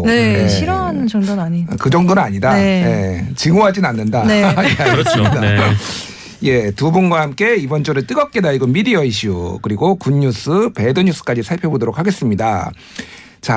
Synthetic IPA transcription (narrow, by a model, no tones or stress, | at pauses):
nejeɕʰiɾant͡ɕʌŋdonaɲikɯd͡ʑʌŋdonɯnaɲidajet͡ɕɯŋoɦad͡ʑinanːɯndaeesida | je̞tubunɡwahamk͈e̞ibʌnt͡ɕʰoɾɯɭt͈ɯɡʌp̚k͈edaiɡʌmidiʌiɕ͈ʰukɯɾiɡokuɲːus͈ʰɯpe̞dɯɲus͈ʰɯ̥k͈ad͡ʑisʰaɭpʰjobodoɾokʰaɡe̞s͈ɯmɲida | t͡ɕa